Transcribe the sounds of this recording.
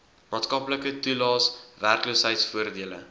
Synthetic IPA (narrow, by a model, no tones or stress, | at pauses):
mɑːtskɐpləkətulɑːsværklusɦɛjtsfuərdiələ̰